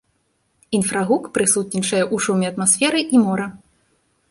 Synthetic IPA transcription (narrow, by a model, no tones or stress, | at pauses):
infɾɐɣukpɾɨsut̪̚nʲit͡ʂɐjɛʔuʂumʲiɐt̪masʲfʲɛɾɨʔimɔɾɐ